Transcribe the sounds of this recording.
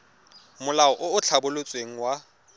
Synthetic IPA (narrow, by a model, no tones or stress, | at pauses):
mʊlaɔʔʊʊt͡ɬʰabʊlot͡sʼweŋ̩wa